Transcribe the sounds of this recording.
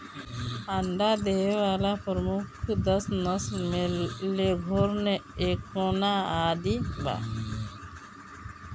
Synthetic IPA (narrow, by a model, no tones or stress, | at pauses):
aɳɖad̪eʋalapɔɾmukʰd̪əsnəsmeleɡʱoɾneekonaaːd̪iba̰